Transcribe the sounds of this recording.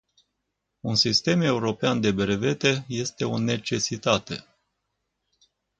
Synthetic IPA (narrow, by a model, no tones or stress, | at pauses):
unsist̪e̞me̞uɾo̞peand̪e̞beɾe̞ve̞t̪e̞je̞st̪e̞o̞ne̞t͡ʃe̞sit̪at̪e̞̰